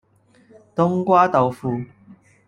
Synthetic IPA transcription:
t̪ʊ˥ŋkwaː˥t̪ɐ˨wfuː˨˧

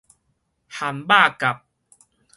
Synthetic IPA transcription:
ha˨˩mba˥˧˨ka˨˩p̚

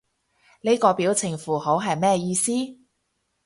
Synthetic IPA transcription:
le˥kɔː˧piː˨˥wt͡sʰɪ˨˩ŋfuː˨˩ho˨˥wɦɐ˨jmɛː˥˧jiː˧siː˥

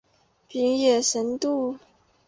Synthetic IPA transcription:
pi˧˥ŋjɛ˨˩ʂə˧˥nt̪u˥˩

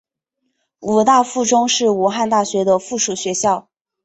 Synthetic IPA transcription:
u˨˩t̪a˥˧fu˥˩ʈ͡ʂʊ˥ŋʂɻ̩˥˩u˧˥xa˥˧nt̪a˥˩ɕɥɛ˧˥d̪ə˧fu˥˩ʂu˨˩ɕɥɛ˧˥ɕjɑ˥˩ʊ

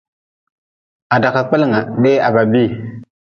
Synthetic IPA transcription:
a˨da˨ka˨k͡pa˦lŋa˨ɗe˦a˨ba˨bi˦

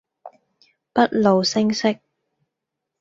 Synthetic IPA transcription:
pɐ˥t̚lo˨wsɪ˥ŋsɪ˥k̚

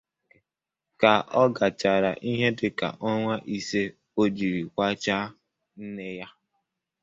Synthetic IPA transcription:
ka˨ʔɔ˦ɡa˨t͡ʃa˨ɾa˨ʔi˦ɦe˦dɪ˨ka̰˨ʔɔ˦ŋʷa˦ʔi˨se˦ | o˦d͡ʒi˨ɾi˨kʷa˦t͡ʃa˦ | n̩˦ne˦ja˦

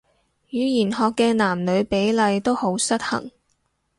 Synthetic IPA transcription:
jyː˨˧jiː˨˩nhɔː˨˧kːɛː˧naː˨˩mlɵ˨˧ɥpe˨˥jlɐ˨˧jt̪o˥who˨˥wsɐ˥t̚hɐ̰˨˩ŋ

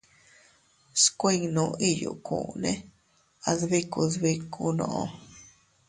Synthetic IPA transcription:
skʷe˦˧ŋnũ˧ʔi˦˨jṵ˨kṵ̃˨nẽ˦ | a˧ðβi˦ku˧ðβi˦kʰu˧nõ̰˧˨ʔõ˧

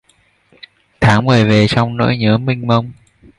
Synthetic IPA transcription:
t̪ʰaː˧˩˦wməː˨˩ve˨˩sa˧wŋ͡mno̰˧˥jɲɨ̰˧˥əmï˧ŋ̟mə˧wŋ͡m

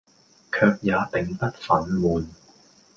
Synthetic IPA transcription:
kʰœː˧k̚jaː˨˧t̪ɪ˨ŋt̪ɐ˥t̚fɐ˨˥nmuː˨˩n

